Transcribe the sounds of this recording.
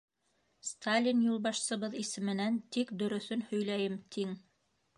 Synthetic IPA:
st̪ʰalʲinjulˠbɑʃsɤ̆βɤðisɘ̆mɘ̆nænt̪ikd̪ɵ̆ɾɵ̆θɵnhɵ̆jlæjɘmt̪ʰiŋ

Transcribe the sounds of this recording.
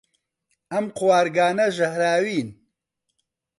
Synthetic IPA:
ɐmqʊwaːɾɡaːnɐʒɐhɾaːwiːn

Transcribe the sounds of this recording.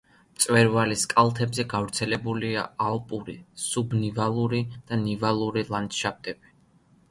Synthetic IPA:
t̪sʼwɛɾvaliskʼalˠt̪ʰɛbzɛɡavɾt̪sʰɛlɛbuliaaɔpʼuɾḭsubnivalˠuɾid̪̥anivalˠuɾilˠand̪ʃap̚t̪ʼɛb̥i

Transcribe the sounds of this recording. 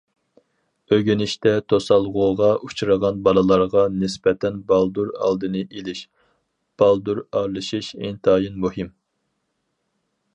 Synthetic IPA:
øɡʲynɪʃt̪ɛt̪ʰosɑlˠʁoʁɑʔut͡ʃʰuɾəʁɑnbɑlˠɨlˠɑɾʁɑnɪsbɛt̪ʰɛnbɑlˠd̪uɾɑ̰lˠd̪ɨnɨʔelɪʃ | b̥ɑlˠd̪uɾɑɾlˠɨʃiʃḛnt̪ʰɑːjɨnmuhɪm

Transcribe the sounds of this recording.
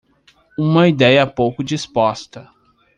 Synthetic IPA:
ũmɐid̪ɛjɐpowkʊd͡ʒispɔst̪ɐ

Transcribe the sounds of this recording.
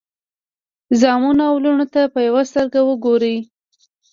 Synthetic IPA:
zɑmunawluɳot̪apəjawast̪əɾɡawəɡoɾəj

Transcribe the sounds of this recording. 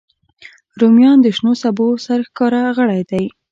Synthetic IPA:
ɾomjɑnd̪əʃnosabosaɾxkɑɾaɣəɽajd̪aj

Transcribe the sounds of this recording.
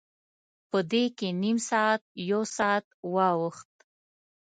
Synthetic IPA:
pəd̪ekenimsɑat̪̚jawsɑat̪wɑwəxt̪̚

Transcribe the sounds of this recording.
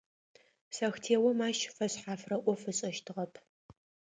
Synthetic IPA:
sɐxtʰeːwɔmaːʃfɐɕħaːfrɐʔʷɔfɨɕʼɐʃtʰɨʁɐpʰ

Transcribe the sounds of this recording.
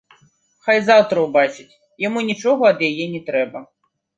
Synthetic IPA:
xajzawt̪ɾɐwbat͡ʂɨt͡sʲ | jamunʲit͡ʂɔɣɐɐd̪jajɛnʲɛt̪ɾɛbɐ

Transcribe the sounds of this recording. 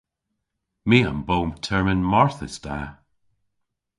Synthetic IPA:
miːa̰mbowmtʰɛɹmɪnmɔɹθəsd̥a

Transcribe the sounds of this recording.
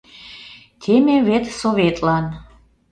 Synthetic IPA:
t̪ʰemevet̪sovet̪lɑn

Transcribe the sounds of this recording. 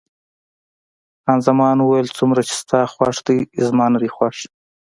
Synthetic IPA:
ɑnzamɑnwuwajəlt͡sumɾat͡ʃe̥st̪ɑxwɑʂd̪iɪzmɑnad̪ixwɑʂ

